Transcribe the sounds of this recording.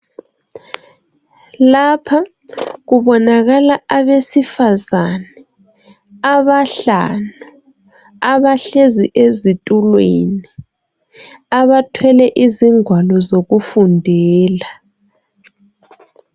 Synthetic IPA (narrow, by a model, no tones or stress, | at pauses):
lapʰa | ɣuβɔnaɣalaaβesifazanɛ | aβaɬa̰nu | aβaɬeziʔezitʼulwḛni | aβatʰwɛlɛʔiziŋʱwalɔzoɣufundʱɛːla